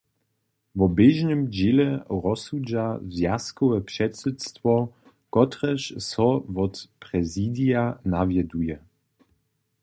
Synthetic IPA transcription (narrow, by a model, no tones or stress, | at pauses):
vɔbeʒnəmd͡ʑelɛʁɔsud͡ʒavzjaskɔwɛpʂɛtsɛtst̪vɔ | kɔtʁɛɕsɔvɔtpɾɛzidijanavjɛdujɛ